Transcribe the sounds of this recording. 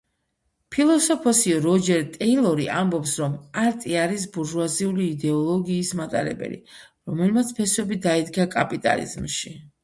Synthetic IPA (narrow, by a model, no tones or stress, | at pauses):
pʰilˠɔsɔpʰɔsiɔɾɔd͡ʒɛɾt̪ʼɛilˠɔɾiʔambɔpsɾɔmaɾt̪ʼiaɾis̬buɾʒwaziuliːd̪ɛɔlˠɔɡiːsmat̪ʼa̰ɾɛ̰bɛ̰lḭ | ɾɔmɛlmat̪sʰpʰɛswɛbid̪aid̪ɡakʼapʼit̪ʼa̰lḭzmʃi